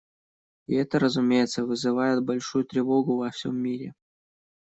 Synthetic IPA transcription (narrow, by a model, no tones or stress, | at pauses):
ɪɛt̪əɾəzʊmʲejɪt̪səvɨzɨvajɪt̪̚bɐlʲʂujʊt̪ɾʲɪvo̞ɡʊvɐfsʲo̰mʲːiɾʲɪ̰